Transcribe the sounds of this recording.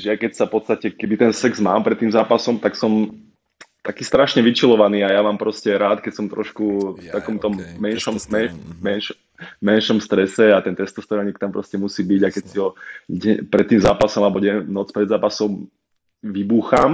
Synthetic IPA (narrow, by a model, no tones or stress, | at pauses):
ʒɛjakɛcsafpɔt̪st̪acɛkɛbit̪ɛnsɛɡzma̰ːmpɾɛt̪ːiːmzaːpasɔmt̪aksɔm | t̪akiːst̪ɾaʃɲɛʋit͡ʃilɔʋaniːajaʋaːmpɾɔscɛɾaːt̪kɛcsɔmt̪ɾɔ̰ʃkuft̪akɔmt̪ɔmːɛnʃɔmmɛmɛnʃ | mɛnʃɔmst̪ɾɛsɛat̪ɛnt̪ɾɛst̪ɔst̪ɔɾɔɲiːk̚t̪ampɾɔscɛmusiːbiɟakɛcsiɦɔɟɛpɾɛt̪ːiːmzaːpasɔmalbɔɟɛnɔt͡spɾɛd̪zaːpasɔm | ʋibuːxam